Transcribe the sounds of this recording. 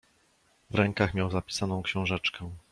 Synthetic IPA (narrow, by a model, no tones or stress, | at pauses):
vɾɛŋkaxmʲjawzapʲi̥sanɔ̃w̃kɕɛ̃w̃ʐɛt͡ʂkɛ